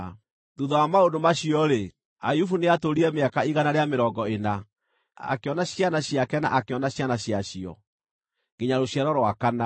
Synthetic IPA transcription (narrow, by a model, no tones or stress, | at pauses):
ðuðɔwamaodomaɕiɔɾe | ajufuneatoɾiɛmeakaiɣanaɾeameɾɔɡɔena | a̰keɔnaɕianaɕijakɛna̰ʔakeɔnaɕjanaɕjaɕiɔ̰ | ɡ̥eɲaɾoɕjɛɾɔɾwakana